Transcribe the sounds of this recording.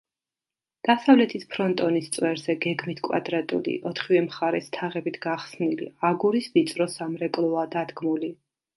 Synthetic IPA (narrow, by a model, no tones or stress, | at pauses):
d̪̥asavlɛt̪ʰispʰɾɔnt̪ʼɔnist̪sʼwɛɾz̥ɛɡɛɡmit̪ʰkʼwa̰d̪ɾat̪ʼṵlḭʔɔt̪ʰχivɛmχaɾɛst̪ʰaʁɛbit̪ʰɡaχsnilḭaɡuɾisbit̪sʼɾɔsamɾɛkʼlˠɔad̪ad̪ɡmuli